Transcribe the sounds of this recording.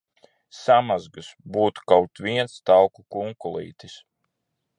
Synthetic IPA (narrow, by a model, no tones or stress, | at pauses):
samazɡɨsbuːt̪u̥kawt̪vʲiɛnst̪awkukuŋkulˠḭːt̪is